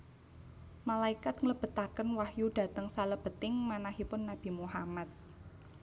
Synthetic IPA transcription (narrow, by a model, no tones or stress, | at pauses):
malaikat̪̚ŋləb̥ə̤t̪akənwahjuɖ̥ä̤t̪əŋsaləb̥ə̤t̪ɪŋmanaɦipʊnːab̥i̤muɦamat̪̚